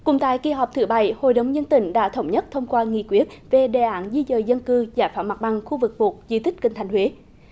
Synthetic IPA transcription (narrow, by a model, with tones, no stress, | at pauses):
kʊ̰˧˩ŋ͡mt̪a̰ː˧˨jki˧ɦɔ˨˩p̚t̪ʰɨ˧˩ɓa̰˧˨jho̰˧˨jɗə˨˦wŋ͡mzə˧nt̪ï˧˩ŋ̟ɗa̰ː˧˥t̪ʰə˧˩wŋ͡mɲə˦˥t̚t̪ʰə˧wŋ͡mkwaː˧ŋḭ˧˨kwi˦˥ət̚ve˨˩ɗe˨˩ʔaː˧˥nzi˧zəː˨˩jzə˧nkɨ˧zaː˧˩jfaː˧˩wma˨˩t̚ɓa˨˩ŋxu˧vɨ˨˩k̚ɓu˨˩t̚zi˧˦t̪ï˦˥k̟̚kï˨˩ŋʰa˨˩ŋ̟hwe˨˦